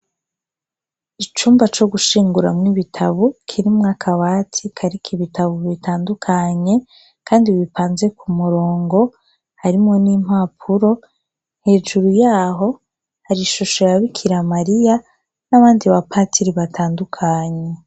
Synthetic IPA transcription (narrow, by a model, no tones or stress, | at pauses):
it͡ʃuːmbat͡ʃo̞ɡuʃiːŋɡuɾamŋiβitʰaβukʰiɾimŋakʰaβatʰikʰaɾikʰiβitʰaβuβitʰaːndukʰaɲe̞ | kʰaːndiβipaːnze̞kumuɾo̞ːŋɡo̞ | haɾimŋo̞nim̥haːpʰuɾo̞ | nhe̞ːd͡ʒuɾujaːɦo̞ | haɾiʃuʃeaβikʰiɾamaɾija | naβaːndiβapʰatʰiɾiβatʰaːndukʰaɲe̞